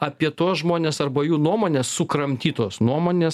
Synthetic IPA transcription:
ɐpʲiɛt̪oːsʒmoːnʲeːsɐrbɐjuːnuɔmoːnʲeːsːʊkɾɐmʲt̪ʲiːt̪oːsnuɔmoːnʲeːs

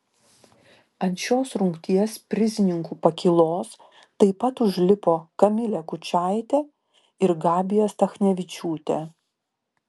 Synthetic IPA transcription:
ɐnʲt̪ʃʲoːsɾʊŋkt̪ʲiɛspʲɾʲɪzʲɪnʲɪŋkuːpɐkʲɪlˠoːs | t̪ɐɪpɐt̪ʊʒʲlʲɪpoːkɐmʲɪlʲɛkʊt͡ʃʲæˑɪt̪ʲɛ | ɪɾɡɑːbʲɪjɛst̪ɐxnʲɛʋʲɪt͡ʃʲuːt̪ʲɛ̰

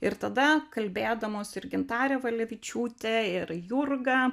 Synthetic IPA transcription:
ɪɾt̪ɐd̪ɐkɐlʲbʲeːd̪ɐmoːsɪɾɡʲɪnt̪ɑːɾʲɛːʋɐlʲɛʋʲɪt͡ʃʲuːt̪ʲeɪɾjʊrɡɑː

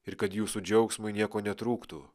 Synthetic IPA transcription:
ɪɾkɐt̪juːsud͡ʒʲɛʊksmʊɪnʲiɛkoːnʲɛt̪ɾuːkt̪uː

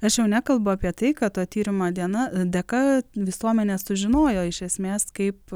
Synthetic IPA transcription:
ɐʃjɛʊnʲækɐlˠbʊɐːpʲiɛt̪ɐɪkɐtt̪oːt̪ʲiːɾʲɪmoːd̪ʲiɛnɐd̪ʲɛkɐʋʲɪsuɔmʲɛnʲeːsʊʒʲɪnoːjoːɪʃʲɛsʲmʲeːskɐɪp

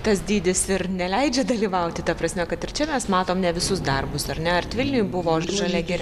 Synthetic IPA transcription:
t̪ɐsd̪ʲiːd̪ʲɪsɪɾnʲɛlʲɛɪd͡ʒʲɛd̪ɐlʲiːʋɐʊt̪ʲɪt̪ɐpɾɐsʲmʲɛkɐt̪ɪrt͡ʃʲɛmʲɛsmɑːt̪oːmnʲɛʋʲɪsʊsd̪ɐrbʊsɐɾnʲɛɐrt̪ʲʋʲɪlʲnʲʊjʊbʊʋoːʒɐlʲɛɡʲɛɾʲ

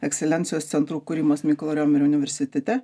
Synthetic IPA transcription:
ɛksʲɛlʲɛnt̪sɪjoːst̪sʲɛnt̪ɾuːkʊɾʲiːmoːsmʲikolˠoːɾʲoːmʲɪɾʲʊnʲɪʋʲɛɾʲsʲɪt̪ʲɛt̪ʲɛ

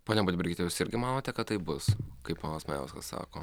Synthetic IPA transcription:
poːnʲɛbʊd̪ʲbʲɪɾʲɡʲɪt̪ʲɛjʊsɪɾʲɡʲɪmɑːnoːt̪ʲɛkɐt̪̚t̪ɐɪbʊskɐɪppoːnɐsmɐjɛ̰ʊskɐssɑ̰ːkoː

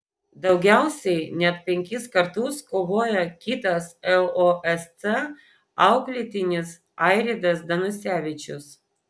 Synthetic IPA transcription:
d̪ɐʊɡʲæˑʊsʲɛɪnʲɛt̪̚pʲɛŋʲkʲɪskɐɾt̪ʊskoːʋoːjɛkʲɪt̪ɐsɛlˠoʔɛst̪ɛ | ɐʊklʲɪt̪ʲɪnʲɪs | ɑˑɪɾʲɪd̪ɐsd̪ɐnʊsʲæːʋʲɪt͡ʃʲʊs

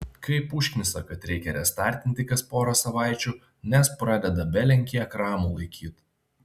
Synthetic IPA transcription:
kɐɪpʊʃʲkʲmʲɪsɐkɐt̪ɾʲɛɪkʲɛɾʲɛst̪ɑˑɾʲt̪ʲɪnʲt̪ʲɪkɐspoːɾɐsɐʋɑˑɪt͡ʃʲuː | nʲɛspɾɑd̪ʲɛd̪ɐbʲɛlʲɛŋʲkʲiɛkɾɑːmuːlˠɐɪkʲʰiːt̪

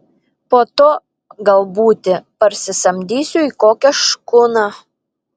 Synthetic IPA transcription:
poːt̪oː | ɡɐlˠbuːt̪ʲɪpɐɾʲsʲɪsɐmʲd̪ʲiːsʲuikoːkʲɛʃkʊnɑ

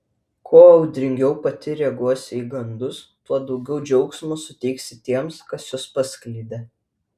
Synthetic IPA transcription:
kʰoːɐʊd̪ʲɾʲɪŋʲɡʲɛʊpɐt̪ʲɪɾʲɛɡuɔsʲɪiːɡɐnd̪ʊst̪uɔd̪ɒʊɡʲɛʊd͡ʒʲɛʊksmoːsʊt̪ʲɛɪksʲɪt̪ʲiɛmskɐsjʊspɐsʲklʲiːd̪ʲe

